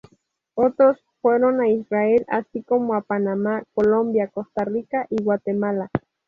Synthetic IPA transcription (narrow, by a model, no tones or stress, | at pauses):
ot̪ɾos | fweɾonaisraela̰sikomoapanamakolombjakost̪arikaʔiwat̪emala